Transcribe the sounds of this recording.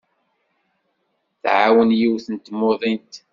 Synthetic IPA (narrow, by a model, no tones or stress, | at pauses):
θʕawənjiwθənt̪moðˤint̪